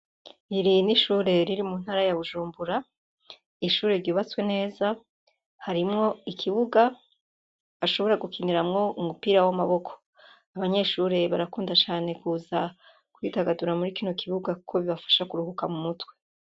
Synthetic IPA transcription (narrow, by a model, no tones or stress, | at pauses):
iɾiniʃuːɾe̞ɾiɾimun̥haɾajaβuʒuːmbuɾa | iʃuːɾe̞ɾɟuːβat͡swe̞ne̞ːza | haɾimŋo̞ikʰiβuɡa | aʃo̞βo̞ɾaɡukʰiniɾamŋo̞umupiːɾawamaβo̞kʰo̥ | aβaɲe̞ʃuːɾe̞βaɾakuːndat͡ʃaːne̞kuːza | kuitaɡaduɾamuɾikino̞kʰiβuɡakukʰo̞βiβafḁʃakuɾuhukamumutwe̞